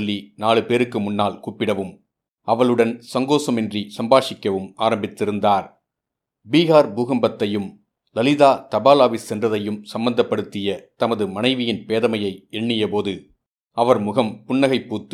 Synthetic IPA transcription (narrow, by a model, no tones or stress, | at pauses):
lːinaːɭɯpeːɾɯkːɯmʊnːaːlkuːpːɪɽɐʋɯm | ɐʋɐɭɯɽɐnsɐŋɡoːsɐmɛndrisɐmbaːʂɪkːɐʋɯmaːɾɐmbɪt̪ːɪɾɯnd̪aːɾ | biːɣaːɾbuːɣɐmbɐt̪ːɐjɯm | lɐlɪðaːt̪ɐbaːlaːʋɪsɛndrɐðɐjɯmsɐmbɐnd̪ɐpːɐɽɯt̪ːɪjɐt̪ɐmɐðɯmɐnɐɪʋɪjɪnpeːðɐmɐjɐɪɛɳːɪjɐpoːðɯ | ɐʋɐɾmʊɣɐmpʊɳːɐɣɐɪpːuːt̪ː